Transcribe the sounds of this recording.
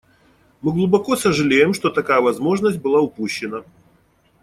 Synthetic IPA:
mɨɡlˠʊbɐkosəʐɨlʲejɪmʂt̪ot̪ɐkajəvɐzmo̞ʐnəsʲt̚ʲbɨlˠaʊpuɕːɪnə

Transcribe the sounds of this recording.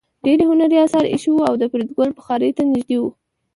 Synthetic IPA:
ɖeɾɦhunaɾiɑsɑɾḭʃwuawd̪əpɾid̪ɡolbəxɑɾəjt̪anɪʒd̪ewu

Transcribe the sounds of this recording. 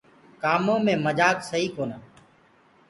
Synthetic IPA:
kaːmõːmẽːməd͡ʒaːksəɦiːkoːnaː

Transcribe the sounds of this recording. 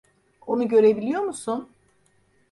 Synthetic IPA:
onuɟø̞ɾe̞bilʲijo̞ɾmusun

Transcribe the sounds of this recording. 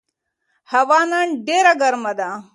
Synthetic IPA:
hɐʋaːnɐɳɖeɾɐɡɐɾmɐd̪a

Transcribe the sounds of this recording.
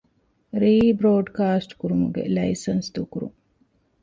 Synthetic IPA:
ɾiːbɾoːɖkaːsʈkuɾumuɡḛlɐjsɐnsd̪ukuɾṵŋ

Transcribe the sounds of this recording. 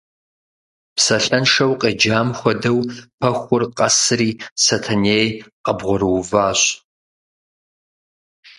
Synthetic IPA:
psɐɬɐnʂɐwqʼeːd͡ʒaːmxʷɔdɐwpʰɐxʷʊrqʼɐsɨriːsɐtʰɐneːjqɐbʁʷɔɾɨwvaːɕ

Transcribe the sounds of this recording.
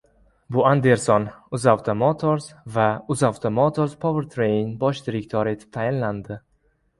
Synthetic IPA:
buand̪eɾsɔnuzawt̪ʰɔmɔt̪ʰoɾzvauzawt̪ʰɔmɔt̪ʰoɾzpʰɔvəɾt̪ʰɾejnbɔʃd̪iɾikt̪ʰɔɾit̪t̪ʰːajnland̪

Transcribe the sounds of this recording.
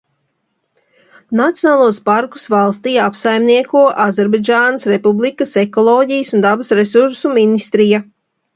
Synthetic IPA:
nat̪ʲjonaːlˠuɔspaɾku̥svalˠst̪ijapsajmniɛkuɔʔazɛɾbad͡ʒaːnasɾepublˠikasekɔlˠoːɟijəsund̪abɐsɾesuɾsuminist̪ɾija

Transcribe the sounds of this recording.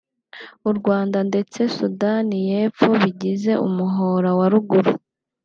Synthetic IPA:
uɾɡwaːndande̞t͡se̞sudanije̞ːpp͡fo̞βiɟize̞ʔṵmuɦoɾawaɾuɡuɾu

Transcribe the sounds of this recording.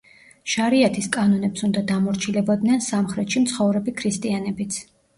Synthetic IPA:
ʃaɾiat̪ʰiskʼanɔnɛpsund̪ad̪amɔɾt͡ʃʰilɛbɔd̪nɛnsamχɾɛt̪ʃimt̪sʰχɔvɾɛbikʰɾist̪ʼianɛbit̪sʰ

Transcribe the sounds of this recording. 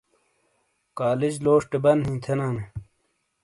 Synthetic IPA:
kaːlid͡ʑloːʂʈebɐnhĩːt̪ʰenaːne

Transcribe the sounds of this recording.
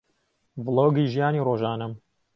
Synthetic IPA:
vlˠoːɡiːʒijaːniːroːʒaːnɐm

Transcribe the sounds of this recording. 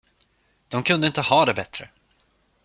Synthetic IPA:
d̪̥ɔmkʰɵnd̪əɪnt̪əhɑːd̪ɛbɛt̪ɾə

